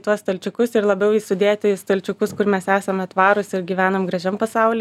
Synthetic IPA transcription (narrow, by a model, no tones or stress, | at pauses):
t̪uɔst̪ɐlʲt͡ʃʲʊkʊsɪɾlˠɐbʲɛʊjɪsʊd̪ʲeːt̪ʲɪst̪olʲt͡ʃʲʊkʊskʊrmʲɛsæːsɐmɐt̪ʋɑːɾʊsɪɾɡʲiːʋʲæːnomɡɾɐʒʲɛmpɐsɑʊlʲɛ